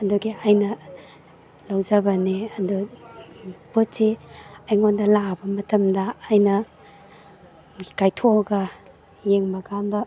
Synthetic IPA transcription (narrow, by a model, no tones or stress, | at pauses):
ɐduɡiajnɐ | lɐwzɐbɐneɐdu | potːeajŋondɐlabɐmɐtɐmdɐːjnɐ | kajtʰoɡɐ | jeŋbɐɡanbɐ